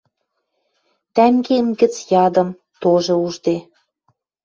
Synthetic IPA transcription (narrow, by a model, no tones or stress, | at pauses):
t̪æŋɡemɡə̆t͡sjɑd̪ɤ̆m | t̪oʒɤ̆uʒd̪e